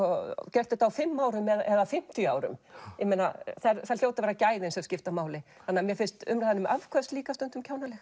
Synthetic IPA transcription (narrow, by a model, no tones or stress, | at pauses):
ɔcɛr̥t̪ʏt̪awfɪmːaːwɾʏmɛðɛðafɪm̥t̪ija̰ːwɾʏ̰mjɛmena̰θaɾθaɾl̥jowt̪ɪavɛɾacaːjðɪnsɛscɪft̪amaːwlɪθanːamjɛɾfɪn̥st̪ʏ̰mɾajðanʏmʔav̥kʰvɛst̪liːkast̪ʏnt̪ʏmcʰaːwnalɛxt